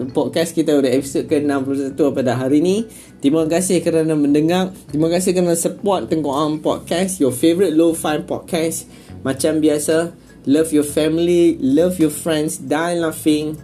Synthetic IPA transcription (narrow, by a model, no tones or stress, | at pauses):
pɔt̚kɛskit̪audəɛpisot̚kənãmplusat̪uapadaɦaɾinĩ | t̪imakasɪhkəɾanãmə̃ndəŋãʔ̚t̪imakas̬ɪhkənasəpɔt̪̚t̪ːəŋkɔʔãnpɔ̰t̚kɛsjɔfevəɾit̚lofãjmpɔ̰t̚kɛs | mãt͡ʃambiasa | lafjɔfɛmililafjɔfɹɛ̃nsdajnafĩŋ